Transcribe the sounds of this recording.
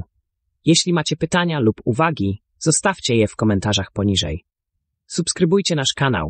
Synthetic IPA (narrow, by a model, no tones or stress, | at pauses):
jɛɕlʲimat͡ɕɛpɘt̪aɲalupuvaɡʲi | z̥ɔst̪aft͡ɕɛjɛfkɔmɛnt̪aʐaxpɔɲiʐɛ̰j | supskɾɘbujt͡ɕɛnaʂkana̰w